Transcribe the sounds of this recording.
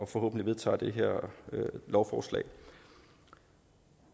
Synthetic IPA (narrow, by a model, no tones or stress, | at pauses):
ɒ̽fɒ̽ɦo̰ːb̥n̩dliʋe̝ðˠt͡sʰɑ̰̈ːd̥e̝ɦeɐ̰ | lɒʊfɒːslɛ̰ɪ